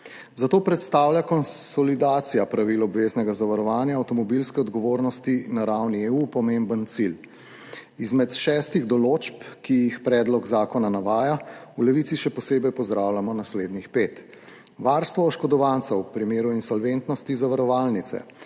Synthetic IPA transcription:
zat̪oːpɾɛt̪st̪aːwlʲjakɔnsɔlid̪aːt̪sijapɾaʋilɔbʋeːznɛɡazaʋaɾɔʋaːnjaːwt̪ɔmɔbilskɛɔd̪ɡɔʋoːɾnɔst̪inaɾawnieupɔmembənt̪sil | izmɛt̪ʃɛːst̪iɣd̪ɔloːt͡ʃpkijixpɾɛːd̪lɔɡzaːkɔnanaʋaːjaulɛʋit̪siʃɛpɔseːbɛjpɔzd̪ɾaːwlʲjamɔnasleːd̪nixpeːt̪ | ʋaɾst̪ʋɔːʃkɔd̪ɔʋant̪sawpɾimeːɾuinsɔlʋent̪nɔst̪izaʋaɾɔʋaːlnit̪sɛ̰

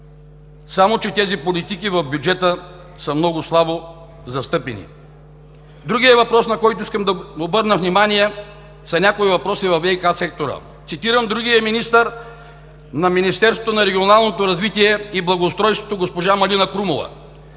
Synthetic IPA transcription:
samot͡ʃɛt̪ɛzipolit̪ikivɐvbʲjud͡ʒɛt̪ə | səmnɔɡʊslˠabo | zɐst̪ɤpɛnḭ | d̪ɾuɡʲijɛvɐpɾɔsnɐkɔjt̪oiskəmd̪ɐobɤɾnəvnimaniɛ | sɐnʲakoivɐpɾɔsivɐfɛikasɛk̚t̪oɾə̰ | t̪sit̪iɾəmd̪ɾuɡiəminist̪əɾ | nɐminist̪ɛɾsvot̪onɐɾɛɡʲionalˠnot̪oɾɐzvit̪iɛiblˠɐɡoːst̪ɾɔjst̪vo̥t̪oɡospoʒamɐlinɐkɾumovɐ̰

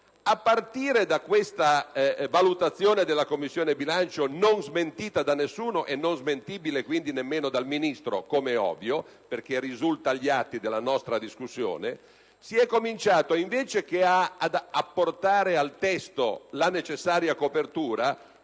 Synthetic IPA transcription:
apːart̪iːɾed̪akwest̪avalut̪at̪sːjoːned̪elːakomːisːjoːnebilant͡ʃononzment̪iːt̪ad̪anːesːuːnoʔenːonzment̪iːbilekwind̪inemːeːnod̪alminist̪ɾo̰komɛɔ̰vjo | perk̟erːizult̪aʎːiat̪ːid̪elːanɔst̪ɾad̪iskusːjo̰ːne | siɛkːomint͡ʃaːt̪oiɱveːt͡ʃek̟eaːd̪apːort̪aːɾealt̪ɛst̪olanet͡ʃesːaːɾjakopert̪uːɾa

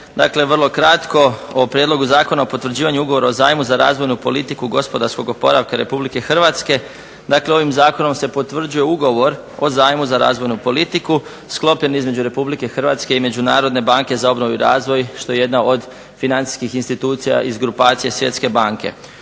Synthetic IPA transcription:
d̪a̰kle̞ʋr̩lˠo̞kɾat̪ko̞opɾjed̪lˠo̞ɡuzaːko̞naopot̪ʋr̩d͡ʑiːʋaɲuuɡo̞ʋo̞ɾaoza̰ːjmuzaɾa̰ːzʋo̞jnupo̞lit̪ikuɡo̞spo̞d̪aɾsko̞ɡo̞po̞ɾaʋkaɾe̞̰publike̞xr̩ʋat̪ske̞ | d̪akle̞o̞ʋimzaːko̞no̞mse̞po̞t̪ʋr̩d͡ʑuje̞uɡo̞ʋo̞ɾ | o̞zaːjmuzaɾa̰ːzʋo̞jnupo̞lit̪iku | sklˠo̞pʎe̞nizme̞d͡ʑuɾe̞publike̞xr̩ʋat̪ske̞ime̞d͡ʑunaːɾo̞d̪ne̞baːŋke̞zao̞bnoʋuɾaːzʋo̞jʃt̪o̞je̞je̞d̪nao̞d̪ | finant̪i̥skixinst̪it̪uːt̪sija̰ʔizɡɾupaːt̪sijesʋje̞t̪ske̞baːŋke̞̰

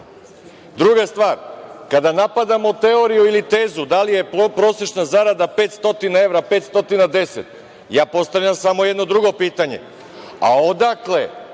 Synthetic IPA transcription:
d̪ɾuɡast̪ʋaːɾkad̪anapad̪amo̞t̪e̞o̞ɾijuilit̪eːzud̪alije̞pɾo̞seʃnazaɾad̪ape̞ːt̪st̪o̞t̪inae̞ʋɾapet̪st̪o̞t̪inad̪e̞set̪ | jaːpo̞st̪aʋʎamsamo̞jed̪nod̪ɾuɡo̞piːt̪aɲe̞̰ | a̰od̪akle

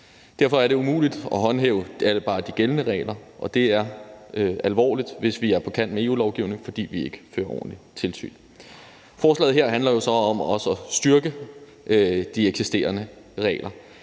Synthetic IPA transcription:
d̥æɐfɒ̽æɐɾe̝umṵːlid̥ɒ̽ɦɒ̽nɦḛːʊæləb̥ɑ̈ːd̥iɡ̥elnəʁɛ̰ːlɐʔɒ̽d̥e̝æɐøælʋɒ̰ːlid̥ʋe̝sʋiæɐpʰɒ̽kʰæn̰d̥mee̝ːṵːlɒʊɡ̥iʊne̝ŋfɒ̽d̥ḭːʋie̝ɡ̥ə̥fø̰ːɐɒ̰ːn̩lit͡sʰe̝lsy̰ːn | fɒːslɛ̰ːð̩ɦeɐɦænlɐjo̝sɒ̽ɒ̽mɒ̽səɒ̽sd̥ɶɐɡ̥ə | d̥ieɡ̥sisd̥e̝̰ːɐnə | ʁɛ̰ːlɐ

